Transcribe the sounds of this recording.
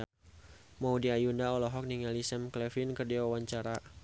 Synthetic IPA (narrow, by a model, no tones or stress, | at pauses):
maudiajundaɔlɔɦɔk̚niŋalisɛmklɛfinkərdiawawaɲt͡ʃaɾa